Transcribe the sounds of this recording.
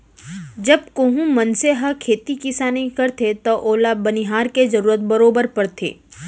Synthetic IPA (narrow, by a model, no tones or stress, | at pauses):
d͡ʒɐb̚koɦũmɐnseɦɐkʰeːt̪ikɪsaːnĩkɐɾt̪ʰet̪oʔoːlabɐniɦaːɾked͡ʒɐɾuːɾət̪̚bɐɾoːbəɾpɐɾt̪ʰḛː